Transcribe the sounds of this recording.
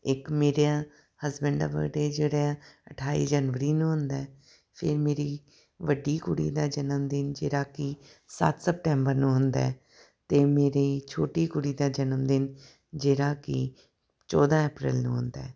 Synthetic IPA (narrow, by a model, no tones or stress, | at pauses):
ɪkmeːɾjãː | həsbəɳɖa̰ːbə̰ɖeːd͡ʒeːɽeːaəʈʰaːḭːd͡ʒənʋəɾiːnũːɦʊnd̪aː | pʰɪ̰ɾmeːɾiː | ʋəɖiːkʊɽḭːd̪aːd͡ʒənəmd̪ɪnd͡ʒeːɾaːki | sə̰t̪səp̚ʈɛ̃ːmbəɾnũːɦʊnd̪a̰ː | t̪eːmeːɾeːt͡ʃʰoːʈiːkʊɽiːd̪aːd͡ʒənəmd̪ɪn | d͡ʒeːɾaːkɪ | t͡ʃɔːd̪ãːeːpɾɪ̰lnṵ̃ːɦʊnd̪a̰ː